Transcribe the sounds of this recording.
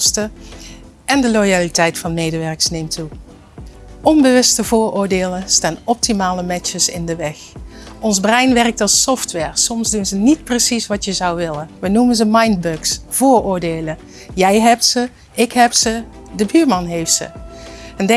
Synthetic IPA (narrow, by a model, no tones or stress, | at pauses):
stə | ɛndəlojalitɛjtfɑnmejdəʋɛɹksnejmtu | ʔɔnbəʋɵstəvʊːɹʊːɹdeːləstaːnɔp̚timaːləmɛt͡ʃəsɪ̰ndəʋɛx | ɔnzbrɛjnʋɛrək̚tɑlˠsɔftʋɛːɹsɔmzdunzənit̚prəsisʋɑtjəzɑwʋɪləʋənumənzəmɑjnd̚bøksv̥ʊːɹʊːɹdeːlə | jɛjɦɛp̚tsə | ɪkɦɛptsə | dəbyːɹmɑnɦejftsə̰ɛndɛ